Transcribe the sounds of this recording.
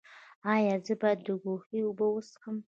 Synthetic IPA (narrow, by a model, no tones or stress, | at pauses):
ajad͡zɨbad̪̚dɨɡʷoχiubɨwʊsχəm